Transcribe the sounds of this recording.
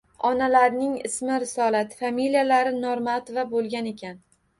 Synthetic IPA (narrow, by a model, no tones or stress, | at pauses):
ɒnalaɾnɪŋɪ̰smɪɾɪsɒlat̪familijalaɾɪnɒɾmat̪ovabolˠɡʲane̞kʲʰan